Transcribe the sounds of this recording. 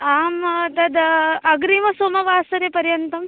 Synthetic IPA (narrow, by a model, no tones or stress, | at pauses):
aːmt̪ɐd̪ɐɡɾimɐsoːmɐʋaːsɐɾepɐɾjɐnt̪ɐm